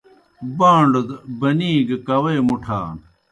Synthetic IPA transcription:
baːɳɖd̪bɐniːɡkɐwɐjmuʈʰa̰ːn

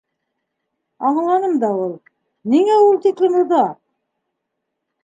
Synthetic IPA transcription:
ɑɴɑlˠɑnəmd̪ɑwolˠ | neŋæwolˠt̪ʰeklʲɪmuɾd̪ɑ

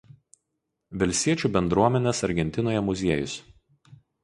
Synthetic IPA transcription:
ʋʲɛlʲsʲiɛt͡ʃʲuːˑbʲɛnd̪ɾuɔmʲɛnʲeːsɐɾʲɡʲɛnʲt̪ʲɪnoːjɛmʊzʲiɛjʊs

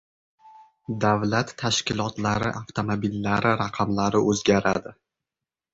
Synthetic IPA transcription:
d̪avlat̪ʰːaʃkʲɪlˠɒt̪laɾɪʔaft̪ʰomobilːaɾɪɾaqʰɑmlaɾɪɵzɡʲaɾa̰d̪ɪ

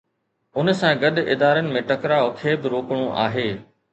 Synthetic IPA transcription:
ʊnsãːɡɐɗɪ̰d̪aːɾənɪ̆mẽʈɐkɾaokʰeːbɪɾoːkɽ̃õʔa̰ːɦeː

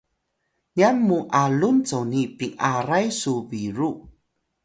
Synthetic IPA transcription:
ɲianmuʔalunt͡sownipiŋaɾajsubiɾu

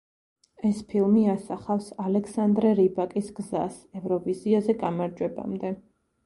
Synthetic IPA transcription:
ɛspʰilˠmiasaχafsalɛksand̪ɾɛɾibakʼisɡza̰sɛvɾɔviziazɛɡamaɾd͡ʒwɛba̰md̪ɛ

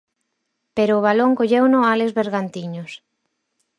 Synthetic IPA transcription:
peɾoːβ̞aloŋkoʎewnʊalezβeɾɣant̪iɲos

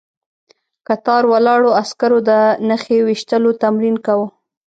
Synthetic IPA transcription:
kat̪ɑɾwalɑɽoaskaɾod̪ənaxewiʃt̪əlot̪amɾinkawə

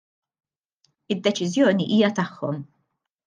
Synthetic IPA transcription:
ɪd̪ːɛt͡ʃɪzjɔːniʔiːjɐt̪ɐħːɔm

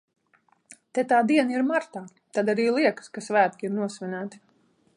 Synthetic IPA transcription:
t̪ɛt̪aːd̪iɛniɾmaɾt̪aː | t̪ad̪aɾiːlˠiɛkə̥skasvæːt̪̚kʲiiɾnuɔsʋʲɛnʲæːt̪i̥

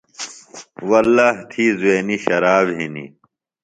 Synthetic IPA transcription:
wɐlːaːɦt̪ʰiːzueːniɕɐɾaːbɦinḭ

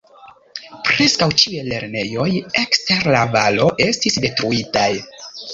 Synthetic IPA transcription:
pɾe̞skawt͡ʃiujele̞ɾne̞jo̞je̞kste̞ɾlavalo̞ʔe̞stisde̞tɾuitaj

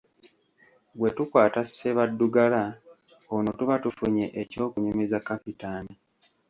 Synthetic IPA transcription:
βwe̞tukwaːtasːeβadːuɡala | onotuβatufuɲḛʔeco̞ːkuɲomezakːapitaːni

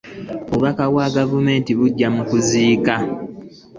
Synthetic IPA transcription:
βuβakaɣwaɡavume̞ːntiβuɟːamukuziːka

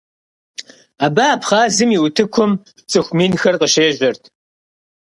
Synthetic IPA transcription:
aːbapχɑːzɨmiwtʰɨkʷʰʊm | t͡sʼɨxʷmiːnxɐrqəʃeːʒʷɐrtʰ

